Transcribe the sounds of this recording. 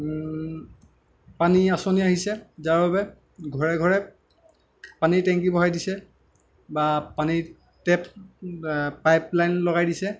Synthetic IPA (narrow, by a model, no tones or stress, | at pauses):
paniasoniaɦisɛzaɹbabɛ | ɡʱɔɹɛɡʱɔɹɛ | panitɛŋk̬ibɔɦajdisɛ | bapani | tɛp | pajplajnlɔɡajdisɛ